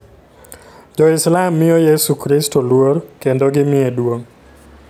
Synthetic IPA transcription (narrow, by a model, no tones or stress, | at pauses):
d͡ʒɔɪslamːɪjɔjesukɾɪstolwoɾkendoɡɪmɪedwoŋ